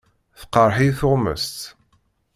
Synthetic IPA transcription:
θəqːəɾˤħiθʊʁmə̰st̪

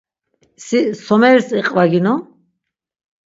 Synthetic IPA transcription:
sisɔmɛɾsiqʼvaɡinɔ

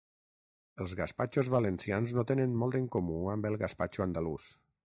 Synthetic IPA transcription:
əlˠzɣaspat͡ʃozβalənsianznot̪enənmɔlˠt̪əŋkomuambəlˠɣaspat͡ʃuand̪alus

